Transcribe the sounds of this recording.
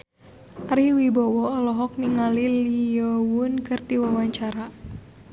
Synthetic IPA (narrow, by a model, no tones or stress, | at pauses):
aɾiwibɔwɔɔlɔɦɔk̚niŋaliliɔwʊnkɨrdiwawaɲt͡ʃaɾa